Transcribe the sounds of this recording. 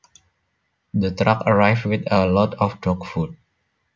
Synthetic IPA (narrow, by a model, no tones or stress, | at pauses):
d̪ət̪ɾakəɹajfwɪt̪əlɔtɔfdɔkfut̚